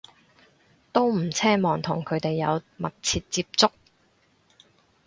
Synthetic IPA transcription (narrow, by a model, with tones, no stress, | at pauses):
t̪o˥wm̩˨˩t͡sʰɛː˥mɔː˨ŋt̪ʰʊ˨˩ŋkʰɵ˨˧ɥt̪e˨jːɐ˨˧wmɐ̰˨˩k̚t͡sʰiː˧t̚t͡siː˧p̚t͡sʊ˥k̚